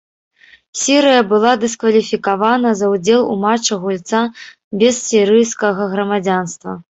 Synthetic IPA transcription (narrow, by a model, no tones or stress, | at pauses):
sʲiɾɨjɐbɨlˠad̪ɨskvɐlʲifʲikavanɐzɐwd͡zʲɛlˠṵmat͡ʂɐɣulʲt̪sa | bʲɛsːʲiɾɨjskɐɣɐɣɾɐmad͡zʲanst̪vɐ̰